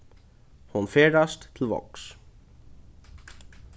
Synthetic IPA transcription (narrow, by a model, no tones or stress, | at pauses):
hunfeːɾast̪tʰːɪlvɔ̰ks